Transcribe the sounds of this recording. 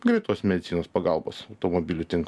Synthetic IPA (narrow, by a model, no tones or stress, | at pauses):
ɡɾʲɛɪt̪oːsmʲɛd̪ʲɪt̪sʲiːnoːspɐɡɑlˠbo̰ːsɐʊt̪oːmobʲilʲʊt̪ʲɪŋk